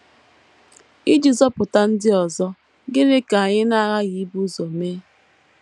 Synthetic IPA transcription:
i˦d͡ʒi˨zɔ˦pʊ˨ta˦n̩˦dɪ˦ɔ˨zɔ˦ | ɡɪ˦ne˦ka˨ɲɪ˦na˦ɣa˦ɣi˨˦bu˦zɔ˨meː˦

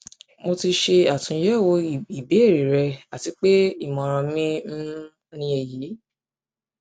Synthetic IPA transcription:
mo˧ti˧ʃe˧a˨tũ˧˦jɛ˦˨wo˧˨i˨be˨˦e˦˨ɾe˨ɾɛ˧a˨ti˨˧˦k͡pe˦i˦˨mɔ̃˨˧ɾ̃ɔ̃˧mĩ˦n̩˦ | o˧nĩ˧ɛ˧˨jiː˨˦

